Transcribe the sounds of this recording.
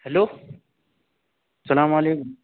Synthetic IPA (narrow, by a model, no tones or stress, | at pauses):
heloː | sɐlaːmaleːkʊm